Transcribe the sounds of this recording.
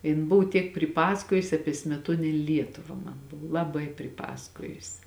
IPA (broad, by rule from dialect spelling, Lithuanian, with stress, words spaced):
ˈjɪn ˈbʊʋʊ tʲiɛk pʲrʲɪˈpɑːsɐkoːjʊsʲɪ ˈɑːpʲiɛ sʲmʲɛˈtuɔnʲeːnʲ ˈlʲiɛtʊʋɐ ˈmɐn ˈbʊʋʊ lˠɐˈbɐɪ pʲrʲɪˈpɑːsɐkoːjʊsʲɪ